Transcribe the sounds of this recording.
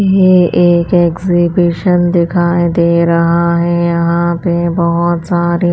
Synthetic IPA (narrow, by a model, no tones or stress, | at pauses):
jeʔeːkeːkzibɪʃənd̪ɪkʰaːed̪eːɾɐɦaɦɛjɐɦãpebɐɦʊt̪saːɾi